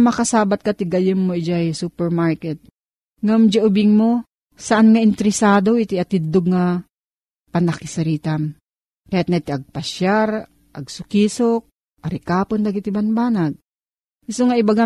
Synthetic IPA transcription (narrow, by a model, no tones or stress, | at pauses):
mɐkasaːbat̪̚kat̪ɪɡɐjɪmːoɪd͡ʒajsuːpɛɾmaɾkɛt̪̚ | ŋamd͡ʒaʔʊbɪŋmo | sɐʔanŋaʔɪnt̪ɛɾɪsaːd̪oʔit̪ɪʔɐt̪ɪd̪oɡŋa | pɐnɐkɪsɐɾiːt̪am | kɐjat̪̚nait̪ɪʔɐɡ̚pɐʃjaɾ | ʔɐɡsʊkiːsok̚ | ʔɐɾɪkaːpond̪aɡɪt̪ɪbanbaːnaɡ̚ | ɪsoŋaɪbaɡa